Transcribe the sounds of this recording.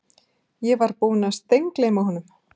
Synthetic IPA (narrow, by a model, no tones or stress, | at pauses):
jɛvaɾpuːnast̪ejŋklejmawhɔːnːʏm